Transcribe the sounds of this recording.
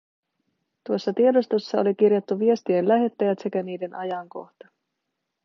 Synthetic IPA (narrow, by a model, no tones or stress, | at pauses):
t̪uo̞sːɑt̪iedost̪osːɑolik̟irjot̪ːuʋie̞st̪ienlæɦe̞t̪ːæjæt̪sekæniːde̞nʔɑjɑŋko̞̰xt̪ɑ̥